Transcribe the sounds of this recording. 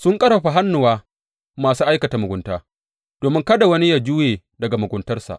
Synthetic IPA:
sʊ˦ŋkʼɐ˦ɾa˨ɸa˨ɦa˦nːʊ˨waː˦ | maː˨suː˦ʔa˦jkɐ˨ta˨mʊ˨ɡʷʊ˨ntaː˦ | d̥oː˨mɪ˦ŋkɐ˦da˨wɐ˦ni˦jaː˦˨d͡ʒʊː˦jeː˨ | dɐ˨ɡa˨mʊ˨ɡʷʊ˨˦ntɐ˦rsa̰˨ʔ

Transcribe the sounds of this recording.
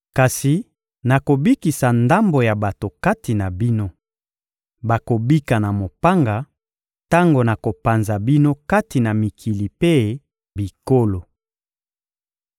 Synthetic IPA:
ka˨si˨ | na˨ko˨bi˦ki˨sa˨nda˦mbo˨ja˨ba˨to˨ka˦ti˨na˨bi˦no˦ | ba˨ko˨bi˦ka˨na˨mo˨pa˦ŋɡa˨ | ta˦ŋɡo˨na˨ko˨pa˨nza˨bi˦no˦ka˦ti˨na˨mi˨kʰi˨li˨pe˦ | bi˨ko˦lo˨

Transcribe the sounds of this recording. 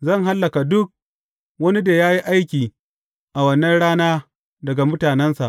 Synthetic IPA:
zɐ˦˨ŋɦa˦lːɐ˨ka˨dʊ˦k̚ | wɐ˦ni˦da˨jaː˦ji˦ʔa˦jkʲiː˨ | ʔa˨wɐ˨nːɐ˦nɽaː˦naː˦ | dɐ˨ɡa˨mʊ˦taː˨nɛ˦nsa̰˨ʔ

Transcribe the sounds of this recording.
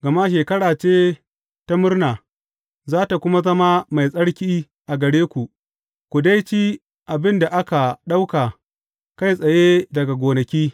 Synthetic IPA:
ɡɐ˨ma˦ʃ̬eː˨kɐ˦ɽaː˨t͡ʃeː˦ | ta˦mʊ˦rnaː˨ | zaː˦ta˨kʷʊ˦ma˦zɐ˦ma˦ma˨jsʼɐ˦ɽkʲiː˦ | ʔa˨ɡɐ˨ɽeː˦kʷu˨ʔ | kʷu˨da˦jt͡ʃiː˦ | ʔa˨bɪ˦nda˨ʔa˦ka˨ɗa˦wka˨ | ka˦˨jsʼɐ˨je˦dɐ˨ɡa˨ɡʷoː˨nɐ˨kʲiː˦

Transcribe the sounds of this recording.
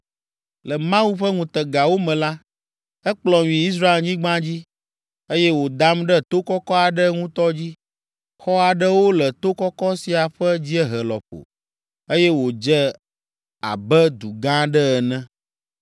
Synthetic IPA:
lɛ˨mã˦u˦ɸə˦ŋũ˨t̪ɛ˨ɡa˨wo˦mɛ̃˨la˦ | ɛ˦k͡plɔ̃˨ɲĩ˨i˦s̬ɾa˦e˨lɲĩ˦ɡ͡bã˦d͡ʑi˦ | e˦jɛ˦wo˨d̪a˦mɖɛ˦t̪o˦kɔ˦kɔ˦a˨ɖə˦ŋũ˦t̪ɔ˦d͡ʑi˦ | xɔ˦a˨ɖə˦wo˦lɛ˨t̪o˦kɔ˦kɔ˦si˨a˨ɸə˦d͡ʑi˦ɛ˦ɦɛ˨lɔ̰˨ɸo̰˨ | e˦jɛ˦wo˨d͡ʒɛ˦ | a̰˨bɛ˦d̪u˨ɡã˦ɖɛ˦ɛ˨nɛ̃˦

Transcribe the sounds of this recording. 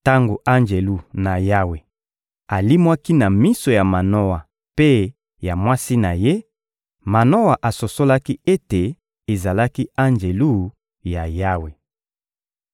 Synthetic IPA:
ta˦ŋɡo˨ʔa˦nd͡ʒe˨lu˦na˨ja˦we˨ | a˨li˦mwa˦ki˦na˨mi˦so˨ja˨ma˨no˦wa˨ | pe˦ | ja˨mwa˦si˦na˨je˦ | ma˨no˦wa˨ʔa˨so˨so˦la˦ki˦e˦te˨ | e˨za˨la˦ki˦a˦nd͡ʒe˨lu˦˨ | ja˨ja˦we˨

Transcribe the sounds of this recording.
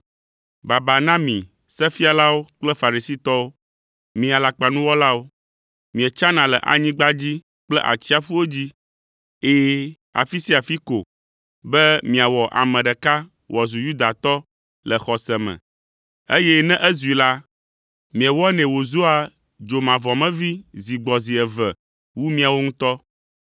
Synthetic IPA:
ba˨ba˨nã˦mḭ̃˨ | sɛ˦fi˦a˨la˦wo˦k͡plɛ˦fa˨ɾi˨si˦t̪ɔ˦wo˦ | mĩ˨a˨la˨k͡pa˨nũ˦wɔ˦la˦wo˦ | mĩ˨ɛ˨t͡ʃa˦nã˨lɛ̰˨ʔa̰˨ɲĩ˦ɡ͡ba˦d͡ʑi˦ | k͡plɛ˦ʔa̰˨t͡ɕi˦a˦fu˦wo˦d͡ʑi˦ | e˦ | a̰˨fi˦si˦a˨fi˦ko̰˨ | bɛ˦mĩ˨a˨wɔ˨ʔa̰˨mɛ̃˨ɖɛ˨ka˦ | wʔɔ˨zu˨ju˦d̪a˨t̪ɔ˦ | lɛ˨xɔ˨sɛ˨mɛ̰̃˨ | e˦jɛ˦nɛ̃˦ʔɛ˦zu˨i˨la˦ | mĩ˨ɛ˨wɔ˦nɛ̃˨wo˨zu˦a˨ | d͡ʒo˨mã˨vɔ˨mɛ̃˦vi˦zi˨ɡ͡bɔ˨zi˨ɛ˨vɛ˨ | wu˦mĩ˦a˨wo˦ŋũ˦t̪ɔ˦

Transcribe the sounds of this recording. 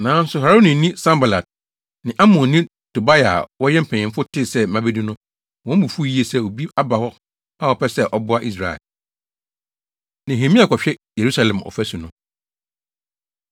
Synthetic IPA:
nãː˨˦n̩˦sʊ˨ha˨ɾo˦nĩ˨nĩ˦sã˦mba˨la˨d̚ | nɪ̃˨ʔa˦mɔ̃˨nnĩ˦ | to˨ba˦ja˨wɔ˦jɛ˦m̩˨pʰɛ̃˨ɲɪ̃˨mfʊ˦tʰɪ˦˨sɛ˦mã˨be˦dĩ˦nʊ̃˦ | wɔ̃˦m˦bu˨fu˦˨ji˦e˨sɛ˦˨o˨bi˦a˦ba˨hɔ˦ | a˦˨ɔ˨pɛ˦sɛ˦ʔɔ˦bʊ˦a˦ʔi˦s̬ɾa˨ɛ̰˨l | nẽ˨ɦẽ˨mĩ˦a˨kɔ˨ɕᶣɛ˦je˨ɾu˦sa˨lɛ̃˨mɔ̰˨fæ˦su˨nʊ̃˦

